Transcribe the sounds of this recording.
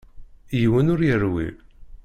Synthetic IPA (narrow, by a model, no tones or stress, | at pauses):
jwənʊɾjəɾwḭ